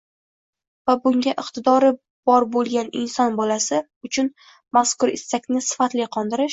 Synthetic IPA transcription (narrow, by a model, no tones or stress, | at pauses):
vabʊŋɡʲaʔɪqt̪ʰɪd̪ɒɾɪ | b̥ɒɾbolˠɡʲanɪnsɒnbɒlasɪ | ʊt͡ʃʰʊn | maskʊɾɪsːakʲnɪsɪ̥fat̪lɪqʰɒnd̪ɪɾɪʃ